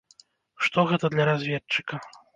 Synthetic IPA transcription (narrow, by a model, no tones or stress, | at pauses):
ʂt̪ɔɣɛt̪ɐd̪lʲɐɾazʲvʲɛt͡ʂːɨkɐ